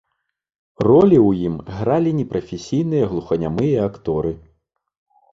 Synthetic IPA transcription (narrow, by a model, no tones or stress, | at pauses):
rɔlʲiwjimɣɾalʲinʲɛpɾɐfʲesʲijn̪ɨjɐɣlˠuxɐnʲamɨjɐakt̪ɔɾɨ